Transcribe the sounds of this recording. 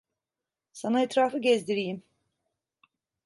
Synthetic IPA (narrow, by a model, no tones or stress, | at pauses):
sanaɛt̪ɾaːfɯɟɛzd̪iɾijim